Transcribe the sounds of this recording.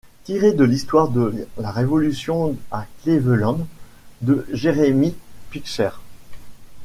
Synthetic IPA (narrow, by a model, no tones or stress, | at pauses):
t̪iʁed̪əlist̪waʁd̪əlaʁevɔlysjɔ̃aklevəlɑ̃d̪ | d̪əʒeʁemipikʃɛʁ